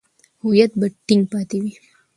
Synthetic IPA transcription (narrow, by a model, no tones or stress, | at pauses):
hujɐt̪̚bəʈːiŋɡ̚paːt̪iʋi